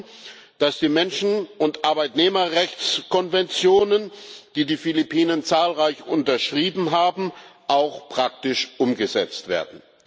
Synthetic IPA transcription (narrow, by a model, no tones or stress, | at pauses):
d̥asd̥iːmɛnʃn̩ʊntʔaɐbaɪtneːmɐʁɛçt͡skɔnvɛnt͡sjoːnənd̥iːdiːfɪlipʰiːnənt͡saːlʁaɪçʔʊntɐʃʁ̥iːbm̩ɦaːbm̩ʔaʊxpʁ̥ak̚tɪʃʔʊmɡəzɛ̰t͡stv̥ḛːɐdn̩